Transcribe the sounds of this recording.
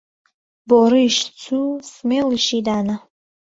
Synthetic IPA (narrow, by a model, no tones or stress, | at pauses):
boɾiʃt͡sʰusmeliʃidana